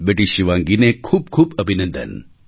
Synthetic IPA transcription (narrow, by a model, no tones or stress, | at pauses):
beʈiʃiʋãːŋɡinekʰuːb̚kʰuːbɐbʱinɐ̃nd̪ə̰n